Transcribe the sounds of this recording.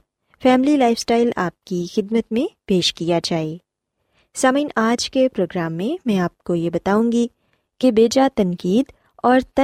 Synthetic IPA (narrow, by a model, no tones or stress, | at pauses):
fɛːmlilaːɪfsʈaːɪla̰ːp̚kixɪd̪mət̪mẽpeːʃkijad͡ʒaːeː | saːmĩːnaːd͡ʒkepɾoːɡɾaːmːẽmɛ̃ːaːp̚kojebɐt̪aːũːŋɡi | kebeːd͡ʒat̪ɐ̃ŋkiːd̪ | ɔːɾt̪ɐ